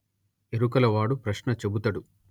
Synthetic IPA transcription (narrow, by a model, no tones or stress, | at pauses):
eɾukɐlɐʋaːɽupɾɐʃnɐt͡ʃebut̪ɐɽu